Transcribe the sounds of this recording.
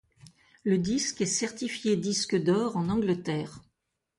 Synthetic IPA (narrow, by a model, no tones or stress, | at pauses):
ləd̪iskɛsɛʁt̪ifjed̪iskəd̪ɔʁɑ̃nɑ̃ɡlət̪ɛːʁ